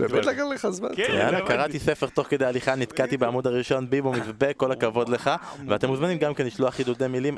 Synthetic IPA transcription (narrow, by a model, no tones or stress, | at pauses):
ɛdlaɡalleχazma̰na̰nakaʁat̪ise̞fe̞ʁt̪o̞χke̞d̪ealiχanit̪kat̪ibeamud̪aʁiʃo̞nbibumivbekːo̞lakavo̞d̪le̞χaveat̪emuzmanimɡamkeniʃluaχid̪ud̪emilim